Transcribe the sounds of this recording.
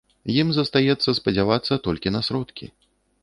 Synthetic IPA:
jimzɐst̪ajɛt̪sːɐspɐd͡zʲavat̪sːɐt̪ɔlʲkʲinɐsɾɔt̪kʲḭ

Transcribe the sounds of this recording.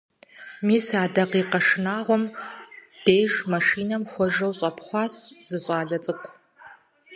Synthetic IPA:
miːsaːdɐqiːqɐʂɨnaːʁʷɔm | d̥eːʒmaʂiːnɐmxʷɔʒɐwɕʼɐpʰχʷɑːɕz̥ɨɕʼɑːɮɐt͡sʼɨkʷʰ

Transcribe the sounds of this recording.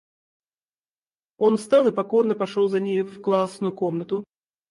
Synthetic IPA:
o̞nfst̪ɑlˠɨpɐko̞rnəpɐʂolˠzɐnʲejvklˠasnʊjʊko̞mnət̪ʊ

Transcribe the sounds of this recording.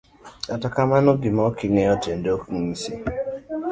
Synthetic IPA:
atakamanoɡimɔkɪŋɛɔtendokiŋisi

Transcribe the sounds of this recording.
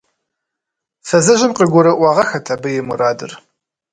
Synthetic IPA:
fɐzɐʒɪmqiːɡʷʊɾɐʔʷɑːʁɐxɐtʰaːbɐjɛmuɾaːdɨ̰r

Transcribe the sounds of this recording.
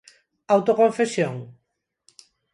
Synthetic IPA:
awt̪okõɱfesjoŋ

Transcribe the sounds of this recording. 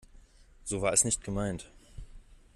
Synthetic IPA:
z̥oːvaːɐɛsnɪçt̚ɡ̥əmaɪnt

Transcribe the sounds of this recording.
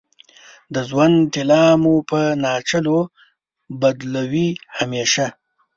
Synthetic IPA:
d̪əzwant̪ɪlɑmupənɑːt͡ʃəlo | bad̪lawihameʃa

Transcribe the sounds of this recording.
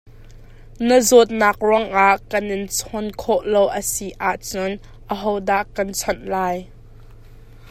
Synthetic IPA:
nəzɔt̪̚naːk̚rɔŋʔaʔkɐnɪnt͡sʰɔnkʰɔʔlowʔəsiʔaʔt͡sʊn | ʔəɦɔwdaʔkɐnt͡sʰɔnlaːj

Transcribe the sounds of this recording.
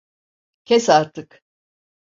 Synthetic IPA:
cʲʰesaɾt̪ʰɯk

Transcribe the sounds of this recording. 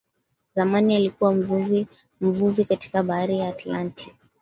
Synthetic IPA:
zamanialikuwam̩vv | m̩vuvikati̥kaɓahaɾijaːtlanti̥

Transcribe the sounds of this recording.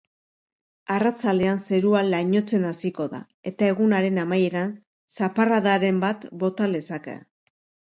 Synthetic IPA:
arat͡sald̪e̞anse̞ɾualaɲo̞t͡se̞nasiko̞ða̰ | e̞t̪ae̞ɣunaɾe̞namaje̞ɾan | saparaðaɾe̞mbat̪bo̞t̪alesakḛ

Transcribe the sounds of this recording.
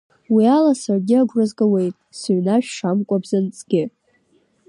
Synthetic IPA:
wialasarɡʲɪaɡʷrazɡawe̞jtʼsɥnaʃᶣʂamkʷʼabzant͡sʼɡʲɪ

